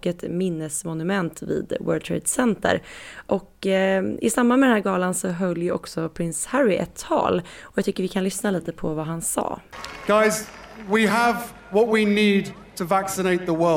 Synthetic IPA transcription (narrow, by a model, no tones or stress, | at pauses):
kɛt̪mɪnːəsmɔnɵmɛnt̪vḭːd̪wœ̰ːlt̪ʰɾḛɪd̪sɛnt̪ʰə̰ɾʔɔk | ɪ̰sambanmɛd̪ɛnɦæːɾɡɑːlansɔɦœljʔɔ̰ksɔpʰɾɪnshæɾɪʔɛ̰t̪ʰːɑ̰ːlɔjɑːt̪ʰʏkːəɾvɪkʰanlʏsnaliːt̪əpʰɔvaɦansɑ̰ːɡ̥aɪz | wiəv | wɒʔ̚winiːd̚tʰəvaksɪneɪt̪̚ðəwɜ